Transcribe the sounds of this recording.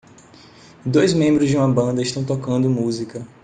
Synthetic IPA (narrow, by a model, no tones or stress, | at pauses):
d̪ojzmẽmbɾʊzd͡ʒɪũmɐbɐ̃nd̪ɐɪʃt̪ɐ̃w̃t̪ɔkɐ̃nd̪ʊmuzikɐ